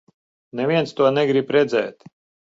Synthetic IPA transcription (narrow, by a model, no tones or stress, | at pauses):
nevʲiɛnt̪st̪uɔnɛɡɾipɾɛd̪zɛ̰ːt̪